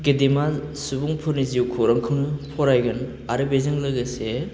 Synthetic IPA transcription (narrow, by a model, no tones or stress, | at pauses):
ɡedema | subuŋpʰɯɾniziuwkʰuɾaŋkʰɯwnɯpʰɔɾajɡɯn | aɾɯbezɯŋlɯɡɯse